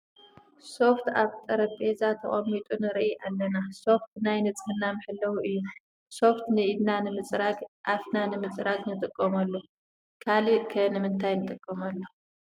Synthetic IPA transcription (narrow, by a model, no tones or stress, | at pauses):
so̞ft̪ʰaβt̪ʼɐɾɐbʼezat̪ʰɐχʼɐmːit̪ʼunɨɾʔiʔalːɐnaso̞ft̪najnɨt͡sʼɨnːamɨħɨlːɐwuʔɨjːu | so̞ft̪nɨid̪nanɨmɨt͡sʼɾakʔafnanɨmɨt͡sʼɾaknɨt̪ʼɨkʼːɐmɐlːo | kʰalikʰɐnɨmɨnt̪ʰajnɨt̪ʼɨkʼːɐmɐlːo